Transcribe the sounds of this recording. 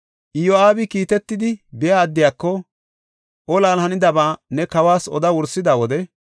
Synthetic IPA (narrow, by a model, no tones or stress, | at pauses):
ʔɪjɔaːbɪkiːt̪ɛt̪ːɪd̪ɪbɛjaːd̪ːɪjaːkːɔ | ʔɔlaːlhɐnɪd̪ɐbaːnɛkɐwaːsɔ̰d̪ɐwʊɾsːɪd̪aːwɔd̪ɛ